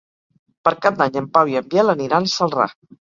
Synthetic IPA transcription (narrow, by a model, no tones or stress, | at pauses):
pəɾkad̪aɲəmpawiəmbjɛləniɾansəlˠra̰